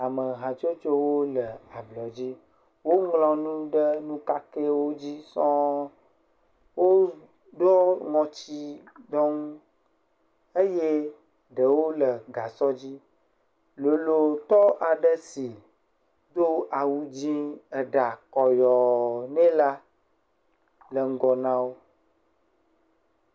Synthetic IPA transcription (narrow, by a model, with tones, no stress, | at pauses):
a˨mə˨ɦã˨t͡ʃo˦t͡ʃo˦wo˦lə˨a˨blɔ˨d͡ʑi˦ | wo˦ŋlɔ̃˦nũ˦ɖə˦nũ˦ka˦ke˦wo˦d͡ʑi˦sɔ̃˦ | wo˦ | dɔ˦ŋɔ̃˨t͡ɕi˦ | d̪ɔ˦ŋũ˦ | e˦je˦ | ɖə˨wo˦lə˨ɡa˨sɔ˦d͡ʑi˦ | lo˨lo˨t̪ɔ˦ʔa˨ɖə˦si˨ | d̪o˦ʔa˨wu˦d͡ʑĩ˦ə˨ɖa˨kɔ˨jɔ˨nɛ̃˦la˦ | lə˨ŋ̩˦ɡɔ˨nã˦wo˦